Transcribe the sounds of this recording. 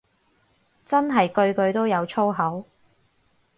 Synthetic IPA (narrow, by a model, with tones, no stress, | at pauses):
t͡sɐ˥nɦɐ˨jkɵ˧ɥkɵ˧ɥt̪o˥wjɐ˨˧wt͡sʰo˥wɦɐ˨˥w